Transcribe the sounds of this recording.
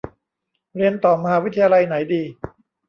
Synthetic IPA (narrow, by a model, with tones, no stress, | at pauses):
ɾi˧ənt̪ɔː˨˩ma˧haː˧˥wi˦˥t̪ʰːa˧jaː˧la˧jna˩˦jdiː˧